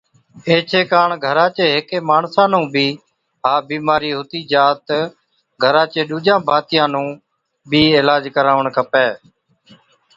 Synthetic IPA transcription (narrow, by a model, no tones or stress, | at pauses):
eːt͡ʃʰeːkaːɳɡʱəɾãːt͡ʃeːɦɪkeːmaːɳsãːnũːbʱiː | ɦaːbiːmaːɾiːɦʊt̪iːd͡ʒaːt̪ | ɡʱəɾãːt͡ʃẽːɗuːd͡ʒãːbʱaːt̪ɪjãːnũː | bʱiːeːlaːd͡ʒkəɾaːʋəɳkʰəpeː